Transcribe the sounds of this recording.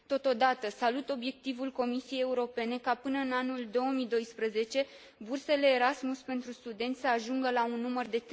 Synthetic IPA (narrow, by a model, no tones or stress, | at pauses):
t̪o̞t̪o̞d̪at̪əsalut̪o̞bje̞k̚t̪ivulko̞misie̞je̞uɾo̞pe̞ne̞kapɨnəɨnanuld̪o̞omid̪o̞jspɾəze̞t͡ʃe̞ | burse̞le̞ːɾasmuspe̞nt̪ɾust̪ud̪e̞nt̪ʲsəaʒuŋɡəlaunːumərd̪e̞t̪